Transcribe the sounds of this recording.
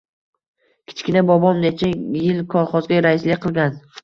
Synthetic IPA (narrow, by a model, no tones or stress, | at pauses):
kʲʰɪ̥t͡ʃkʲɪnabɒbɒmnet͡ʃʰajɪlkʰɒlˠχɒzɡʲaɾaɪslɪkʲqʰɨlˠɡʲan